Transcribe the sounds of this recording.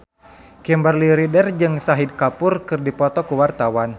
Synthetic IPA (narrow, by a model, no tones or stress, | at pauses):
kɛmbarliɾidərd͡ʒɨŋsaɦid̚kapʊrkɨrdipɔt̪ɔkuwart̪awan